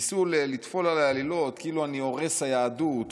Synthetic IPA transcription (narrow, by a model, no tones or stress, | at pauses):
sulelit̪fo̞lalajalilo̞t̪kiiluanio̞ʁe̞shajaːdut̪